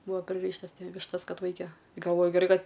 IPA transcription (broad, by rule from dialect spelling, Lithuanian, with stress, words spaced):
ˈbʊʋoː pʲrʲɪˈrʲiːʃtɐs ˈʋʲɪʃtɐs ˈkɐt ˈʋɐɪkʲɛ ɡɐlˠˈʋoːjʊ ɡʲɛˈrɐɪ ˈkɐt